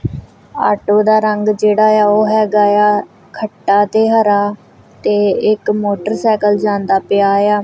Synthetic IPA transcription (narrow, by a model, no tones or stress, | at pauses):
a̰ːʈoːd̪aːɾəŋɡd͡ʒeːɽaːjaːoːɦɛːɡaːjaː | kʰəʈːaːt̪eːɦəɾaː | t̪eːɪkmoːʈəɾsaːkəld͡ʒãːnd̪aːpɪjaːjaː